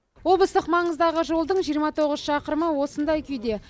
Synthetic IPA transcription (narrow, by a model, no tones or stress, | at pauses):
wo̞b̪ˠəst̪əqmɑɴəzd̪ɑʁəʒo̞lˠd̪əɴʒijəɾmɑt̪ʰo̞ʁəzʃɑqəɾməwo̞sənd̪ɑjkʲʰʏjd̪e̞